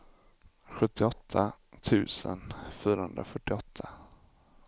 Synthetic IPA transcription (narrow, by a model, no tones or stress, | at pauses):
ɧɵt̪ːɪɔt̪ʰːa | t̪ʰʉ̟̰ːsə̰nfyːɾahɵnd̪ɾafœʈːɪɔt̪ʰːa